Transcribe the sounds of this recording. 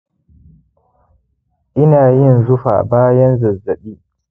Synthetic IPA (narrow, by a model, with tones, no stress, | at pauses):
ʔɪ˦naː˨jɪ˦˨nzʊ˦ɸa̰ː˨baː˦jɐ˦nzɐ˨zːɐ˨ɓiː˦